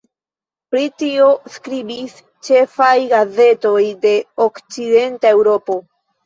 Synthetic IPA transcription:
pɾitio̞skɾibis | t͡ʃe̞fajɡaze̞to̞jde̞okt͡side̞ntae̞wɾo̞po̞

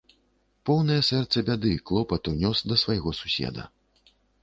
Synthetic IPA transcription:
pɔwnɐjɛsɛrt̪sɐbʲad̪ɨklˠɔpɐt̪unʲɔsd̪ɐsvajɣɔsu̥sʲɛ̰d̪ɐ̰

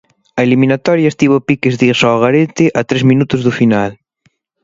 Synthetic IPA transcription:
ɐeliminat̪ɔɾjaest̪iβopikezðisɔɣaɾet̪ɪʔat̪ɾezmĩnut̪ʊzðufinal

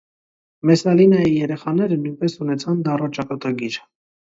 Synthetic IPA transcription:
mɛsɑlinɑjijɛɾɛχɑnɛɾənujnpɛsunɛt͡sʰɑnd̪ɑrɔt͡ʃɑkɑt̪ɑɡiɾ

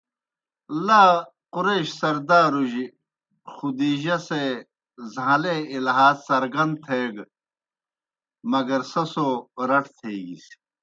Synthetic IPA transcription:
laː | quɾeːɕsɐɾd̪aːɾuʑi | xud̪iːʑɐse | zãleilɦaːzsɐɾɡɐnd̪̚t̪ʰeːɡ | mɐɡɐɾsɐsoːɾɐʈʰt̪ʰeːɡḭs

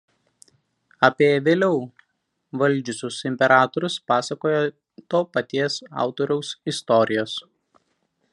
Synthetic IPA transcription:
ɐpʲiɛʋʲeːlʲɛʊ | ʋɐlʲˑd͡ʒʲʊsʲʊsɪmʲpʲɛɾɑːt̪ɔɾʲʊspɑːsɐkoːjo | t̪oːpɐt̪ʲiɛsɑ̰ˑʊt̪oːɾʲɛʊsɪst̪ɔɾʲɪjoːs

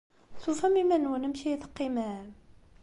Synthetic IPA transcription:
θufæmimænwənəmçiθə̥qːimæ

